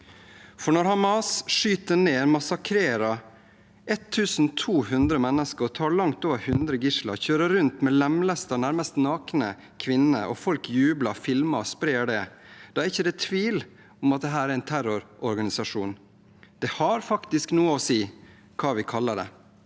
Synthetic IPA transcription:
fɔɳɔɾhɑmɑsʂyːt̪əneːmɑsɑkʰɾeːɾɑ | ɛt̪ʰːʉːsn̩t̪ʰuːhʉnd̪ɾəmɛnːəskət̪ʰɑːɭɑŋt̪oːʋəɾhʉnd̪ɾəɡɪʂlɑ̰çøːɾəɾʉnt̪mɛlɛmləst̪əɔnæɾməst̪nɑːknə | kʰʋɪnə̰ʔɔ̰fɔlkjʉːbləfɪlmɑɔspɾeːɖɛd̪̥ɑːæɾɪçːəd̪ɛt̪ʰʋiːl | ɔmɑt̪̚d̪ɛɦæːɾæɾæɪnt̪ʰæɾʊɾʔɔɾɡɑnɪsɑʂuːn | d̪̥ɛhɑɾfɑkt̪ɪsknuːəɔsiː | kʰɑːʋɪkʰɑlːəɖɛ̰

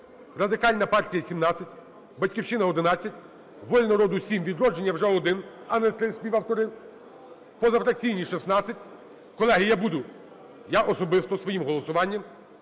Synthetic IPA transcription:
rɐd̪ɪkɑlʲnɐpɑrtʲijɐsʲimnɑt͡sʲːɐtʲ | bɐtʲkʲiwt͡ʃɪnɐɔd̪ɪnɑt͡sʲːɐtʲ | ʋɔlʲnɔɾɔd̪ʊsʲimʋʲid̪ɾɔd͡ʒenʲːɐwʒɛɔd̪ɪn | ɐnɛt̪ɾɪsʲpʲiʋɐwt̪ɔɾɪ | pɔzɐfɾɐk̚t͡sʲijnʲiʃisnɑt͡sʲːɐtʲ | kɔlˠɛɦijabud̪ʊ | jaʔɔsɔbɪst̪ɔsʋɔjimɦɔlˠɔsʊʋɑnʲːɐm

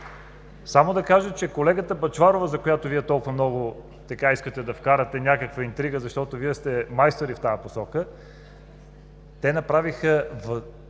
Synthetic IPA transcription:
samod̪ɐkaʒət͡ʃɛkolɛɡət̪əbɐt͡ʃvaɾovəzɐkojat̪oviɛt̪ɔlˠkʊvɐmnɔɡʊ | t̪ɐkaiskət̪ɛd̪ɐfkaɾɐt̪ɛnʲakəkvəint̪ɾiɡəzɐʃt̪ɔt̪oviɛst̪ɛmajst̪oɾift̪ajɐposɔkə | t̪ɛnɐpɾavixəvə

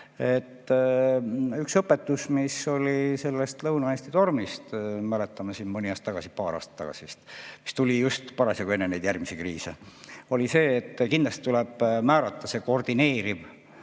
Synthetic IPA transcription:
e̞t̪ː | yksɤpːe̞t̪ːusmiso̞lise̞lːest̪lɤwnɑeːsʲt̪it̪o̞rmist̪mælet̪ːˑɑmɑsiːnmɨnʲiɑːst̪ːɑɡɑsipɑːɾɑ̰ːst̪ɑ̥t̪ɑ̰ɡ̥ɑ̰sist̪mist̪ulijust̪pɑɾɑsjɑkue̞nːenejd̪jærmisikriːseo̞lise̞ːt̪ːkind̪lɑst̪it̪uleb̥mæːɾɑt̪ːɑse̞kord̪̥ine̞ːɾib̥

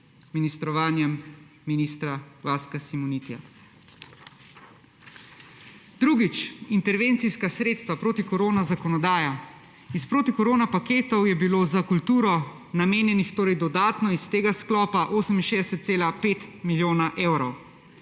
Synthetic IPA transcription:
minist̪ɾɔʋaːnjɛmː | iniːst̪ɾavaːskasimuniːt̪ija̰ | d̪ɾuːɡit͡ʃint̪ɛɾʋeːnt̪siskasɾeːt̪st̪ʋapɾoːt̪ikɔɾoːnazakɔnɔd̪aːja | ispɾoːt̪ikɔɾoːnapakeːt̪ɔwjɛbiloːzakult̪uːɾɔ | nameːnjɛnixt̪oːɾɛjd̪ɔd̪aːt̪nɔist̪eːɡasklɔːpaʔoːsəminʃed̪ɛsɛt̪̚seːlapeːt̪miljoːnaʔeːwɾɔw

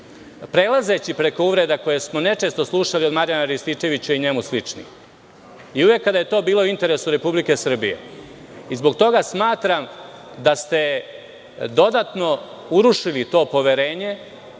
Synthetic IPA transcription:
pɾe̞laze̞t͡ɕipɾe̞ko̞uʋɾe̞d̪ako̞jesmo̞ne̞t͡ʂe̞st̪o̞slˠuʃaliod̪maɾjanaɾist̪it͡ʃe̞ʋit͡ɕuiɲe̞muslit͡ʂnḭ | iuʋe̞kːad̪aje̞t̪o̞ːbiːlouint̪e̞ɾe̞suɾe̞publike̞sr̩bijḛ | izbo̞ɡt̪o̞ɡasmaːt̪ɾamd̪ast̪e̞ | d̪o̞d̪at̪no̞ | uɾuʂilit̪o̞ːpo̞ʋe̞ɾe̞ːɲe̞

